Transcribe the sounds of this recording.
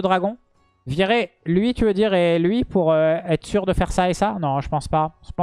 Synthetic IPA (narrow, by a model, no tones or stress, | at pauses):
əd̪ʁaɡɔ̃ | vjiʁelɥit̪yvød̪iʁelɥipuʁøɛt̪χə̥syʁd̪əfɛʁsaesanɔ̃ʒəpɑ̃spaʒə̥pɑ̃